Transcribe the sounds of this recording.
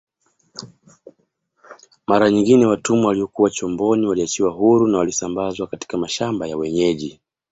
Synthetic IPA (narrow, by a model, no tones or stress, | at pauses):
maɾaɲiŋɡinɛwatumuwaliɔkuwat͡ʃɔmbɔniwaliat͡ʃiwaɦuɾunawalisambazwakati̥kamaʃambajawɛɲɛʄi